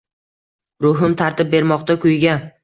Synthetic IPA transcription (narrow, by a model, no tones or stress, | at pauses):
ɾʊɦɪmt̪ʰaɾt̪ɪp̚be̞ɾmɒqt̪akʲʰʊjɡʲa